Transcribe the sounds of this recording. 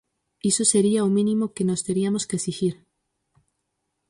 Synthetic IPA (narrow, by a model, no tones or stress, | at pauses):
isoseɾiaomĩnĩmokenost̪eɾiamoskesixiɾ